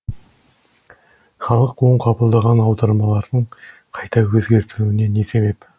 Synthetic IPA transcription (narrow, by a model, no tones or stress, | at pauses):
χɑlˠəqwo̞ɴqʰɑbəlˠd̪ɑʁɑnɑwd̪ɑɾmɑlˠɑɾd̪əɴqʰɑjt̪ɑwɵzɡʲe̞ɾt̪ɪɾuɪne̞ne̞se̞βe̞p